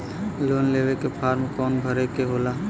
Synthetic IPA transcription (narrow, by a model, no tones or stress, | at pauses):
loːnleːʋekepʰaːɾmkɔːnbʱəɾekeɦoːlaː